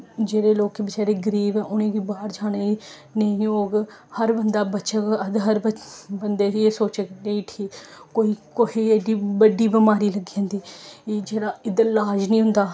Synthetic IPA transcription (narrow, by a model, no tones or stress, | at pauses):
d͡ʒeːɽeːloːkːeːbət͡ʃaːɾeːɡəɾiːbɛ̃ːʔʊnẽːʋiːbaːɾd͡ʒaːɽe | nəĩːoːɡhəɾbənd̪aːbətːʃəkəd̪ɦəɾbəbənd̪eːeːsoːt͡ʃəkneĩːʈʰiːkoːiːkoheːeːɖiːbəɖiːbɪmaːɾiːləɡiãːnd̪iːd͡ʒeːɽaːɪd̪əɾlaːd͡ʒnĩːɦʊ̃nd̪aː